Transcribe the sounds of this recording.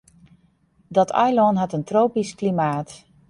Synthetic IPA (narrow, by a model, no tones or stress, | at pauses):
dɔtʰa̰jlɔnɦatəntroːpisklimaːt